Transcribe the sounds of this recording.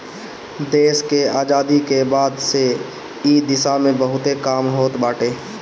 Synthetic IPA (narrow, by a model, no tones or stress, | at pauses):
d̪eːskeaːd͡ʒaːd̪ikebaːd̪se | iːd̪ɪsamẽbɐɦʊt̪ekaːmɦoːt̪baːʈeː